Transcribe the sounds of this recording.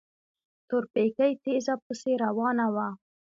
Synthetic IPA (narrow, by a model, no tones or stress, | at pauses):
t̪ʊɾpekajt̪ezapuseɾawɑnawa